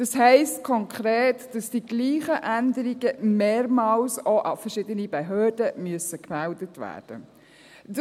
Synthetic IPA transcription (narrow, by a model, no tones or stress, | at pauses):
d̥ɑshɛɪstkʰɔŋkʰχɾeːtd̥ɑsd̥iɡ̥liːχəʔændəɾiɡəmeːɾmɑːlsoʔɑ̰fɛɾʃɪdənibeɦøːɾd̥əmyəsəkmældətʋæ̰ːd̥ə̰ | d